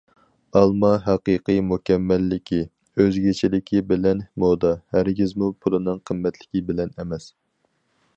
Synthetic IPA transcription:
ɑlˠmɑɦɛqɨqɨjmukʲɛmːɛlːɪkʲʰi | øzɡʲet͡ʃʰilɪkʲʰibɪlɛnhmod̪ɑhæɾɡʲizmupʰulˠɨnɨŋqʰəmːɛt̪ʰlɪkʲibɪlɛnɛmɛs

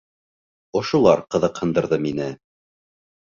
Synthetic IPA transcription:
ŏʃŭlˠɑɾqɤ̆ðɤqhɤ̆nd̪ɤ̆ɾðɤminɘ

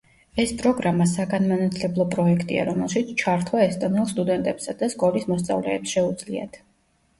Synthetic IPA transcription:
ɛspʼɾɔɡɾamasaɡanmanat̪ʰlɛblˠɔpʼɾɔɛkʰt̪ʼḭa̰ɾɔmɛlˠʃit̪sʰt͡ʃʰaɾt̪ʰwaɛst̪ʼɔnɛlˠst̪ʼud̪ɛnt̪ʼɛpsad̪askʼɔlismɔst̪sʼa̰vlɛːpsʃɛud̪zlḭa̰t̪ʰ

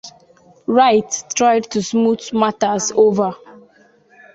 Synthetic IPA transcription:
ɹaɪtːɹajdtusmutmatazova

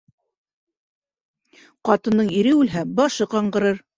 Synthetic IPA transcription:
qɑt̪ɤ̆nːɤɴiɾɘʉlɦæbɑʃɤqɑɴɢɤ̆ɾɤɾ

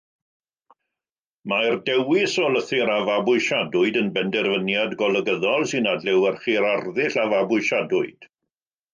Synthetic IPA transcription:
mardɛwɪsɔləθɪɾavabʊɨʃadʊɨdənbɛndɛrvənjadɡɔlˠəɡəðɔlˠsɨnadlɛwərχiɾarðɪɬavabʊɨʃadʊɨd̥

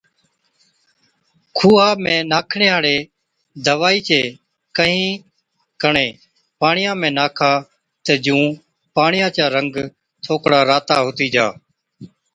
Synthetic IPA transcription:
kʰuːaːmẽːnaːkʰɳeːɦaːɽeː | d̪əʋaːiːt͡ʃeː | kəɦĩː | kəɳẽː | paːɳɪjãːmẽːnaːkʰaː | t̪ed͡ʒũː | paːɳɪjãːt͡ʃaːɾəŋɡ | t̪ʰoːkɽaːɾaːt̪aːɦʊt̪iːd͡ʒaː

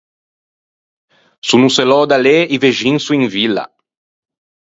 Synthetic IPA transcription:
sunuselɔd̪aleiveʒinsuiŋvila̰

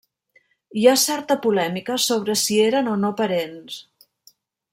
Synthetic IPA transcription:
iasɛɾt̪əpulɛmikəsoβ̞ɾəsieɾənonopəɾens

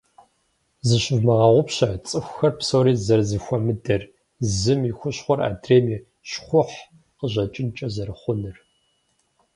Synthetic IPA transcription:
zɨɕɪvmɐʁɐʁʷʊpɕɐt͡sʼɨxʷxɐrpsoːɾiːzɐrzɨxʷɔmɨdɐr | zɨmixʷʊɕχʷɔra̰ːdreːmiː | ɕχʷʊħ | qəʑɐt͡ʃʼɪnt͡ʃʼɐzɐɾɨχʷʊnɨr

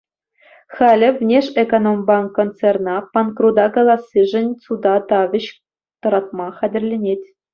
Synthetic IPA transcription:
χɑlʲɘ̆vʲnʲeʂekonombɑŋkont̪t͡sernɑpɑnkrud̪ɑkɑlˠɑsʲːɨʐɘ̆nʲt͡sud̪ɑt̪ɑʋʲɘ̆ɕ | t̪ɤ̆ɾɑt̪̚mɑχædʲɘ̆rʲlʲenʲetʲ

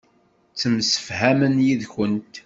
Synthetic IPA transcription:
t͡sːəmsə̥fhæmənjiðçənt̪

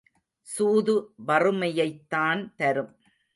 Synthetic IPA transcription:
suːðɯʋɐrɯmɐjɐɪt̪ːaːnt̪ɐɾɯm

